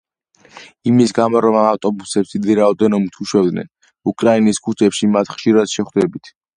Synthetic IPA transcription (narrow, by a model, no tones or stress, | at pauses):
imisɡamɔɾɔmaaft̪ʼɔbusɛpsid̪iɾaɔd̪ɛnɔmt̪ʰuʃɛvd̪nɛ̰n | ukʼɾainiskʰut͡ʃʰɛpʃimat̪ʰχʃiɾad̪̥ʃɛχd̪ɛbit̪ʰ